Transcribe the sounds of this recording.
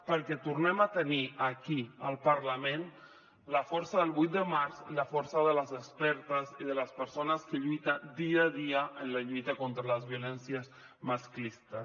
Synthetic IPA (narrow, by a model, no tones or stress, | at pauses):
pəɾkɛt̪uɾnɛmat̪əniakiəlˠpaɾlamẽn | ləfɔɾsaðəlˠβujt̪̚d̪əmaɾzlafɔɾsaðələzəspɛɾt̪əziðələspəɾsonəskəʎujt̪ad̪iaðiaənlaʎujt̪akont̪ɾaləzβjulɛnsjəz | masklist̪ə